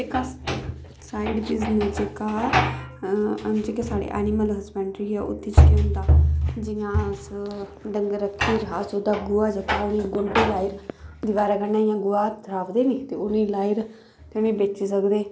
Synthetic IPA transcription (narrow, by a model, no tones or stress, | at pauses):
d͡ʒeːkaː | saːiɖbɪznəsd͡ʒeːkaː | d͡ʒeːkesaːɽḛːʔɛ̰ːnimələspɛ̃ːɳʈɾiːaːʔʊ̰t̪ʰːit͡ʃkeʊnd̪aːd͡ʒɪjãːsɖəŋɡɾəkʰːiːɾɦaːsoːd̪aːɡʊːaːd͡ʒəkaːʊnĩːɡʊɾbeːlaːɪɾd̪ɪʋaːɾaːkənaːjãːɡʊaːt̪ʰɾaːʋd̪eːneːt̪eːʊnĩːlaːɪɾ | t̪ɛ̃ñẽːbeːt͡ʃis̬əkd̪eː